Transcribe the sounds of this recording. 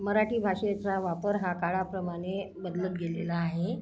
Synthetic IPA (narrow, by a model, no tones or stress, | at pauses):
məɾaʈiːbʱaʂet͡saʋapəɾɦakaɭapɾəmaɽ̃ebəd̪lət̪̚ɡelelaːɦe